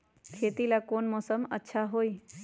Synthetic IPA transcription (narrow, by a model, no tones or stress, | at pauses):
kʰet̪ilakoːnmɔːsəmə̰tːʃʰaɦoːi